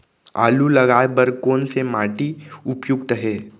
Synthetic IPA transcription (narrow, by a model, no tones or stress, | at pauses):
a̰ːlulɐɡaːebəɾkoːnsemaːʈiʊpjʊkt̪əɦɛː